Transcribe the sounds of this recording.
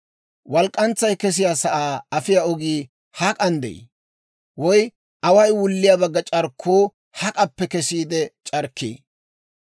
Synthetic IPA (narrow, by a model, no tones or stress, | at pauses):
wɐlkʼːɐnt͡sːɐjkɛs̬ɪjaːsɐʔaːɐfɪjaɔɡiː | hɐkʼɐnd̪ɛ̰j̰ | wɔj | ʔɐwɐjwʊlːɪjaːbɐɡːɐt͡ʃʼɐɾkʰːoː | hɐkʼɐpːɛkɛsiːd̪ɛt͡ʃʼɐɾkːḛː